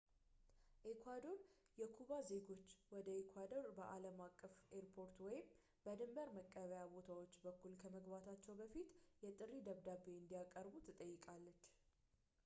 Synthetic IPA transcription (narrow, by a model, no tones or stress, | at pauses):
ʔekʰʷwad̪o̞ɾ | jɛkʰuβaze̞ɡo̞t͡ʃːwɔd̪əekʰwad̪o̞ɾbəʔaləmakʼːəfeɾpʰo̞ɾt̪wɔjɪm | bəd̪ɨmbəɾməkʼːəβəjabo̞t̪ʰawo̞t͡ʃːbəkːulkʰəməɡbat̪ʰat͡ʃːɛwbəfit̪jɛt̪ʼɨɾid̪əβd̪abeɨnd̪ijakʼːəɾbut̪ʰɨt̪ʼəjːɪkʼalːət͡ʃː